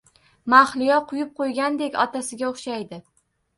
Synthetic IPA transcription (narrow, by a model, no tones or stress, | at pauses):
maχlɪjɒqʰʊjɪp̚qʰojɡʲand̪e̞kʲɒt̪ʰasɪɡʲaoχʃajd̪ɪ